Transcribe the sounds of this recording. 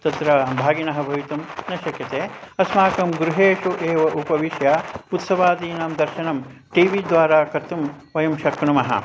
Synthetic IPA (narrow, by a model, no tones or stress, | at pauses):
t̪ɐt̪ɾɐbʱaːɡinɐɦɐ̆bʱɐʋit̪umnɐʃɐkjɐt̪eːɐsmaːkɐmɡɾuɦeːʃuʔeːʋɐʔupɐʋiʃjaut̪sɐʋaːd̪iːnɐːmd̪ɐɾʃɐnɐm | ʈiːʋid̪ʋaːɾaːkɐɾt̪um | ʋɐjɐmʃɐkɳumɐɦɐ̰